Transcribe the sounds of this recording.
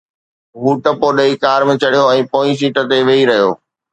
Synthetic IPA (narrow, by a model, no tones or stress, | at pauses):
ɦuːʈɐpoɗɐikaːɾmɪ̃t͡ɕɐɽijoɛ̃ːpoːis̬iːʈə̆t̪eʋeiɾɐɦijo̰ː